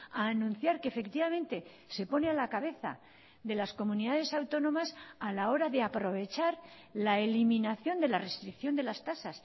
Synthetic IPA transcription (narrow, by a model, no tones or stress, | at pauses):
aːnũnθjaɾke̞fe̞kt̪iβamẽ̞nt̪e̞ | se̞po̞ne̞alakaβ̞e̞θa̰ | ðe̞lasko̞mũniðað̞e̞sawt̪o̞nõ̞masalao̞ɾaðe̞apɾo̞β̞e̞t͡ʃaɾ | laelimĩnaθjo̞nd̪e̞lare̞st̪ɾikθjo̞nd̪e̞last̪asas